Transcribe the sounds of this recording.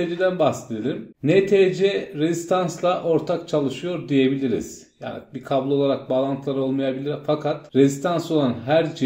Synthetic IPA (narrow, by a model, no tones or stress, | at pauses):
elid̪ænbaxsed̪elʲimnɛt̪ʰeːd͡ʒɛɾezist̪ʰanslˠaʔo̞ɾt̪ʰak̚t͡ʃʰalˠɯʃɯjo̞ɾd̪ije̞bilʲiɾḭz̥ | ja̰ːnḭbikʰablˠuo̞lˠaɾak̚balˠant̪ʰlˠaɾo̞lˠmajabilʲiɾfakʰat̪ɾezist̪ʰansolˠanɦæɾd͡ʒ